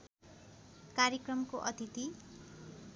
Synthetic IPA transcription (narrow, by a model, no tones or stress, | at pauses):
kaɾjekrʌmkoʔʌt̪it̪i